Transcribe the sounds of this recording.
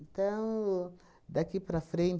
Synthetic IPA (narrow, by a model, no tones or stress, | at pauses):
nt̪ɐ̃w̃ | d̪akipɾɐfɾẽn